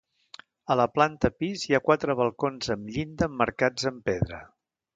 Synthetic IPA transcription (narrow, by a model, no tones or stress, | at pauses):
ələplant̪əpizjakwat̪ɾəβ̞əlˠkonzəmʎind̪əməɾkad͡zəmpeðɾə̰